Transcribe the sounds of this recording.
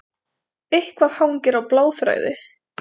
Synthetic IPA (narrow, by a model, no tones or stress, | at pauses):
ehkvaðhawŋcɪɾawplaːwfɾa̰ːjðɪ̰